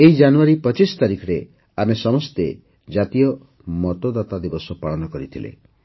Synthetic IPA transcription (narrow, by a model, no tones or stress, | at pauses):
eid͡ʒanuaɾipɔt͡ʃist̪aɾikʰɔɾe | amesɔmɔst̪e | d͡ʒat̪ijɔ | mɔt̪od̪at̪ad̪ibɔsɔpaɭɔnɔkɔɾit̪ʰilḛ